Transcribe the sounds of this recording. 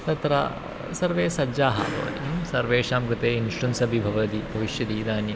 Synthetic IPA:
t̪ɐt̪ɾɐ̰ | sɐɾʋeːsɐd͡ʒaːɦɐ̰bɐ̰ːɐɽimsɐɾʋeːʃaːmkɾɨt̪eːinʃʈunsɐbʱibʱɐʋɐd̪ibʱɐʋiʃjɐd̪iːd̪aːnjɐ

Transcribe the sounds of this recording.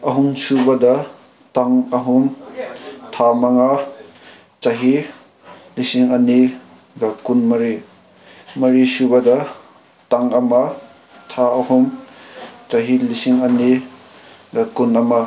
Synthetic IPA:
ɐɦuŋsubɐdɐ | taŋɐɦuŋ | tʰamaŋa | t͡ʃaɦi | lisiŋɐni | ɡakunmɐɾi | mɐɾisubɐdɐ | taŋɐma | tʰaɐhuŋ | t͡ʃaɦilisiŋɐni | ɡakunɐma

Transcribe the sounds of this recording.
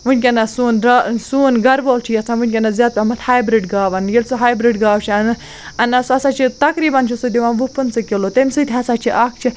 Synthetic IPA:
ʋɨnʲk̬ʲenasuːnɾɐsuːnɡɐɾʋolt͡ʃʰijɐt͡sʰãnʋɨnʲkʲenazʲaːd̪̚pʲamɐt̪haːjbɾiɖɡaːʋɐnjelʲsuɦaːjbɾiɖɡaːʋt͡ʃʰiɐnɨ | ɐnɐsuɐsat͡ʃʰit̪ɐkɾiːbɐnt͡ʃʰisud̪iʋaːnʋupɨnsɨkʲelot̪emʲsɨt̪ʰʲɐsaːt͡ʃʰiʔak̚ʰt͡ʃʰi

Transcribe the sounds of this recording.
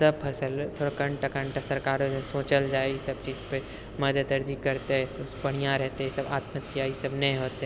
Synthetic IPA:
sɐb̚pʰɐsəlt̪ʰoːɽakɐ̃ɳʈakə̃ɳʈasɐɾkaːɾsoːt͡ʃəld͡ʒaːeisɐb̚t͡ʃiːzpe | mɐd̪ət̪ɐɾd̪ikɐɾt̪eɦɛt̪opɐɽ̤ijãɾɛɦt̪eɦɛsɐbaːt̪mət̪ːjaːisɐbnɐɦĩɦoːt̪eɛ

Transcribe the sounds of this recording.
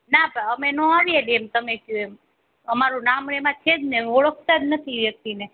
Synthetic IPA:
nabaəmenõaʋieɗemt̪əmekjũem | əmaɾũnamɾemãt͡ʃʰed͡ʒneəɭəkʰt̪ad͡ʒnət̪ʰiʋjək̚t̪ine

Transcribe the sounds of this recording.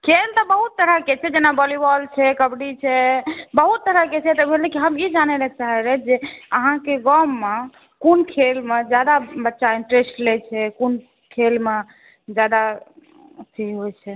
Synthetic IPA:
kʰelt̪ɔbəɦut̪ːəɾəket͡ʃʰɛd͡ʒenabɔlibɔlt͡ʃʰɛkəbɽit͡ʃʰɛbəɦut̪ːəɾəɦket͡ʃʰɛt̪əbʱelɛkiɦəmid͡ʒanɛlɛk̚t͡ʃaɦɛɾɛt̪d͡ʒeəɦãkeɡɔmːe | konkʰelmed͡ʒjad̪abətːʃaiɳʈɾesʈlɛt͡ʃʰɛkon | kʰelme | d͡ʒjad̪a | t̪ʰiɦojt͡ʃʰɛ

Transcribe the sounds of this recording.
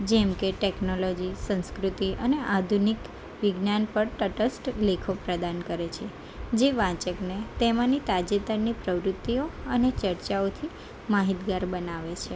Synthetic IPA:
d͡ʒɛmkeʈeknolod͡ʒisə̃nskɾut̪iʔəneʔad̪ʱunik | ʋɪɡnanpəɾʈəʈəsʈlekʰopɾəd̪ankəɾet͡ʃʰe | d͡ʒeʋãt͡ʃəknet̪emãnit̪ad͡ʒet̪əɾnipɾəʋɾʊt̪ːioənet͡ʃəɾt͡ʃaot̪ʰi | maɦit̪ɡaɾbənaʋet͡ʃʰe

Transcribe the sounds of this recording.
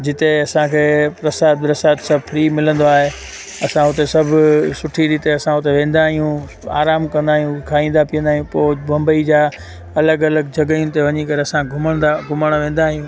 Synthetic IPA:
d͡ʑɪt̪eɐsãkʰeːpɾɐsaːd̪ɾɐsaːt̪sɐbfʰɾiːmɪlə̃nd̪oaːɦe | ɐsãɦʊt̪esɐbʱsʊʈʰiɾiːt̪eɐsãɦʊt̪eʋẽːnd̪aːɦijũ | a̰ːɾaːmkɐ̃nd̪aːɦijũkʰaːĩːnd̪apɪijə̃nd̪aːɦijũpoːbɐ̃mbəid͡ʑaː | ɐləɡɐləɡd͡ʑʱɐɡəiũt̪eʋɐɲikɐɾeɐsãɡʱʊməɽ̃d̪aɡʱʊmɽ̃ʋẽːn̆d̪aːɦijũː

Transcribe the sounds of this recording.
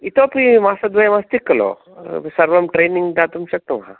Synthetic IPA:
it̪oːpimaːsɐd̪ʋɐjɐmast̪ikːɐlo̰ | sɐɾʋɐmʈɾeːniŋɡd̪at̪umʃɐk̚t̪ɐmɦã̰

